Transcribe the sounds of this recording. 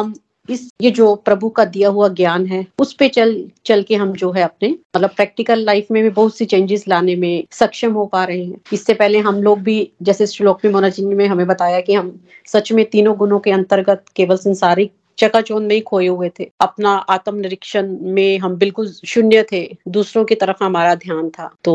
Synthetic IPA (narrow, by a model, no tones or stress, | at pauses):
ɦɐm | ɪsjed͡ʒoːpɾɐbʱukad̪ijaɦuaɡjaːnɦɛːʊspet͡ʃɐlt͡ʃɐlkeɦɐmd͡ʒoːɦɛɐp̚nemɐt̪ləb̚pɾɛːk̚ʈɪkəlːaɪfmẽbʱibɐɦʊt̪sit͡ʃẽːɲd͡ʒɪzlaːnemẽsɐkʃəmɦopaːɾɐɦeɦɛ̃ːɪsːepɛɦleɦɐmloːɡ̚bʱid͡ʒɛːsesloːkmẽmoːnat͡ʃɪnjmẽɦɐmẽbɐt̪aːjakiɦɐm | sɐt͡ʃmẽt̪iːnõɡʊnõkeɐ̃nt̪əɾɡət̪keːʋəlsɐ̃nsaːɾi | t͡ʃɐkat͡ʃoːnmẽĩkʰoːeɦuet̪ʰeːɐpnaʔaːt̪əmnɪɾɪkʃənmẽɦɐmbɪlkʊlʃʊnjət̪ʰed̪uːsɾõkit̪ɐɾəfɦɐmaːɾad̪ʱjaːnt̪ʰa̰ːt̪oː